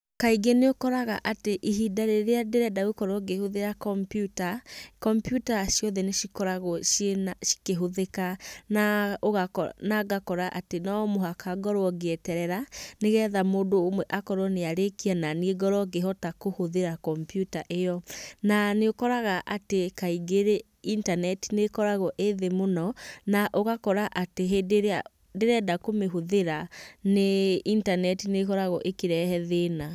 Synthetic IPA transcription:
kaiɡeneokɔɾaɣaʔateʔiɦidaɾeɾeadeɾɛdaɣokɔɾɔɡehoðeɾakɔmpjutakɔmpjutaʃijɔðɛneʃikɔɾaɣɔʃeʃi̥keɦoðekanaoɣanaɡakɔɾaʔatenamoɦakʰaɡɔɾwɔɡeɛtɛɾɛɾaneɣɛːðamoːdoːmwɛʔakɔɾɔneaɾekiananieɡɔɾɔɡeɦɔtakohoðeɾakɔmpjutaʔejɔnaneokɔɾaɣaʔatekaiɡeɾe | intanɛti̥nekɔɾaɣɔʔeðemonɔnaʔoɣakɔɾaʔateɦedea | deɾɛdakomeɦoðeɾaneintanɛtinekɔɾaɣɔʔekeɾɛhɛðena

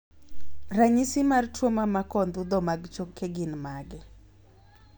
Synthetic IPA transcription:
raɲisɪmartwomamakɔnd̪ud̪ɔmaɡt͡ʃokʰːeɡɪnmaɡɪ

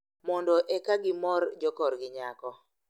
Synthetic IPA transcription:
mɔndɔʔɛkaɡɪmɔrd͡ʒɔkɔɾɡɪɲakɔ

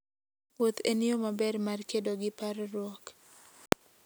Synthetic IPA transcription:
ot̪eniomabɛrmarkedoɡɪpaɾɾwɔk

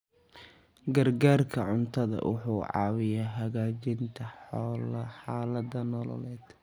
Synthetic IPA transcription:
ɡɐrɡaːrkʰɐʕʊnt̪ʰɐðɐ̰wʊ̰ħuːʕɑ̰ːwɪjaːɦɐɣaːt͡ʃɪnt̪ʰɐħɔːlɐħɑːlɐd̪ɐnɔlɔ̰lɛːd̪̥

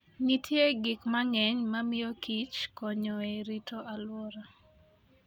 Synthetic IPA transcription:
ŋitʰjeɡɪkmaŋɛɲmamɪjɔkit͡ʃkɔɲɔeɾitoʔalwɔɾa

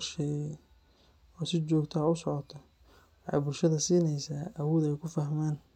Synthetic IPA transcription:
rʃɛjɛ | ɔːsɪt͡ʃɔːɡt̪ʰaːʊsɔʕɔt̪ʰɔ | wɑħɑ̰jbʊlʃɐðɐsiːnɛjsaːʔɐwuːðɛjkʰʊfɐhmaːn

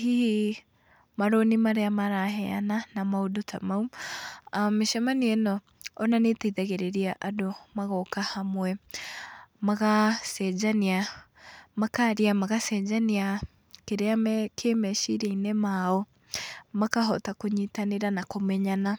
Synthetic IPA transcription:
hihi | maɾonimaɾeamaɾaɦɛa̰nanamaodotʰa̰mau | ameʃɛmaniɛnɔː | nanetɛiðɛɣeɾeɾiaʔadomaɣɔkahamwɛ | maɣasɛd͡ʒania | makaɾiamaɣasɛd͡ʒania | keɾeamɛkʰemɛʃiɾainɛmaɔ | makaɦɔtakoɲitaneɾanakomɛɲana

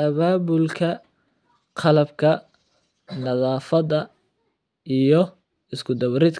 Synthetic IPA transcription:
ɐβaːbʊlkʰɐ | qʰɑlɐbkʰɐ | nɐðɑːfɐðɐ | ijɔ | ɪskʰʊd̪ɐβɾɪd̪

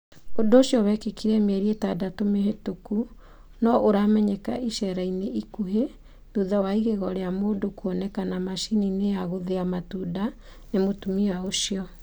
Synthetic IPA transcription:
ondooɕjɔβɛkekiɾɛmɛɾiɛtadatomeɦetoku | nɔʔoɾaːmɛɲɛkaiʃɛɾaineʔikuɦe | ðuðawaiɣeɣɔɾeamoːdokuɔnɛkanamaʃininejaɣoðeamatuda | nemotumiaoʃiɔ

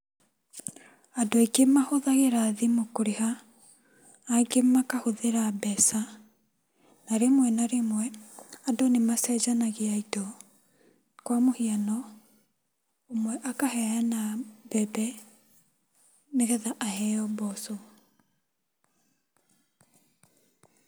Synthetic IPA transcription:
adoaikemahoðaɣeɾaðimokoɾeha | ɡemakahoðeɾabɛsa | naɾemwɛnaɾemwɛadonemasɛd͡ʒanaɣeaitɔ | kwamohianɔ | omwɛʔakahɛanabɛbɛ | meɣɛðaʔahɛɔbɔso

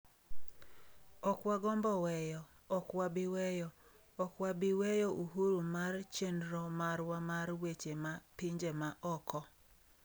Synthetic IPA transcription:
ɔkwaɡɔmbɔwɛjɔː | kwabɪwɛjɔ | ɔkwabɪwɛjɔʔuɦuɾumart͡ʃendɾɔmaɾwamaɾwet͡ʃemapɪɲd͡ʒemaʔɔkɔ

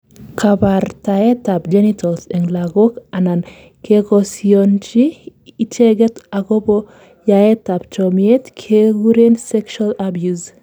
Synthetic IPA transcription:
kʰabartaɛtapd͡ʒɛnitʰɔlsɛŋlaɡokanan | kekɔsiont͡ʃiiteɡɛtaɡobo | jaɛtapt͡ʃɔmietkʰeɡuɾensɛkʃualabjuz

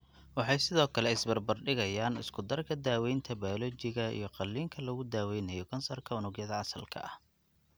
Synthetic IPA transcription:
wɑħɑjsɪðɔːkʰɐlɛɪsbɐrbɐrɖɪɣɐjaːnɪ̰skʰʊd̪ɐrkʰɐd̪aːwɛjnt̪ʰɐbaɔlɔt͡ʃɪɣɐḭjɞqɑlːiːŋkʰɐlɐɣʊd̪aːwɛjnɐjɔkʰɐnsɐrkʰɐʊnʊɡjɐðɐʕɑsɐlkʰɐ̰ʔɐ̰h

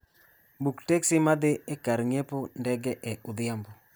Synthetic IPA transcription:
buktɛksɪmad̪ɪekaɾŋepondɛɡɛʔɛʔʊd̪ɪambɔ

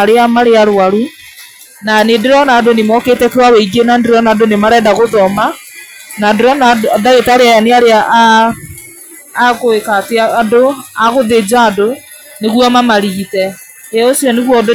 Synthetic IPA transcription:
ɾeamaɾeaɾaɾu | nanendeɾɔnaːdonemɔketɛkewawɛiɡenandeɾɔnadonemaɾɛːndaɣoðɔmanandoɾɔnaðaɣetaɾeajaneaɾeaʔ | koekateaːdoaɣoðed͡ʒaːdo | neɣuamamaɾiɣitɛ | eosiɔneɣwɔd

